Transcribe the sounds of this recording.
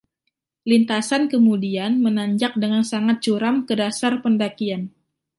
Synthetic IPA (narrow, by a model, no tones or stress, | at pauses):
lint̪asankəmudianmənaɲd͡ʒak̚dəŋansaŋat̪̚t͡ʃuɾamkədasarpəndakian